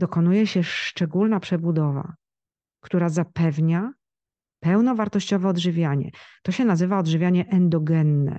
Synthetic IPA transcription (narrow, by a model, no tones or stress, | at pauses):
d̪̥ɔkɔnujɛɕɛʂt͡ʂɛɡulnapʂɛbud̪ɔva̰ | kt̪uɾazapɛvɲa | pɛwnɔvaɾt̪ɔɕt͡ɕɔvɛɔd̪ʐɘvʲjaɲɛ̰t̪ɔɕɛnazɘvaɔd̪ʐɘvʲjaɲɛʔɛnd̪ɔɡɛnːɛ̰